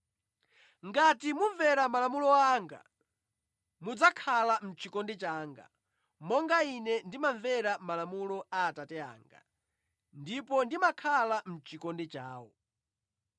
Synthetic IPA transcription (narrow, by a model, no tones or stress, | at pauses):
ŋɡatimuɱvɛɾamalamulɔaːŋɡa̰ | mud͡zakʰalam̩t͡ʃikɔndɛt͡ʃaːŋɡa̰ | mɔŋɡainɛndimaɱvɛɾamalamulɔaːtatɛa̰ːŋɡa̰ | ndipɔndimakʰalam̩t͡ʃikɔndɛt͡ʃaːwɔ̰